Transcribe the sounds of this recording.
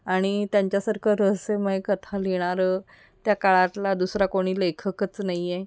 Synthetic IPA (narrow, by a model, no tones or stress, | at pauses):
aɽ̃it̪jãɲt͡ɕjasəɾkʰəɾəɦseməɦekət̪ʰaleɽ̃aɾə | t̪jakaɭat̪lad̪usɾakoɽ̃iːlekʰəkət͡snaie